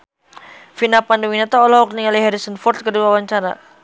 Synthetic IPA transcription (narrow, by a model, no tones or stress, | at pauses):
finapanduwinat̪aɔlɔɔk̚niŋaliɦɛɾisənfɔrt̪̚kəduawaɲt͡ʃaɾa̰